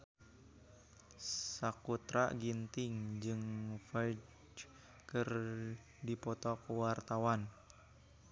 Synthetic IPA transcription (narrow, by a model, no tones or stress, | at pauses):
sakut̪ɾa̰ɡint̪ɪŋd͡ʒɨŋfajd͡ʒ | kɨr | dipɔt̪ɔkəwart̪awan